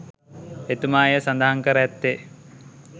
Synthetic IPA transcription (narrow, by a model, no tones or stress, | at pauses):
et̪umaːjəsand̪əɦaŋkəɾəɛt̪ːe